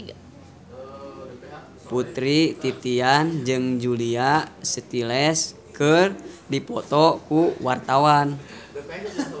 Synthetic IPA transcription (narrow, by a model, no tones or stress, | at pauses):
put̪ɾit̪it̪iand͡ʒɨŋd͡ʒuliasət̪ilɛs | kɨrdipɔt̪ɔkuwart̪awan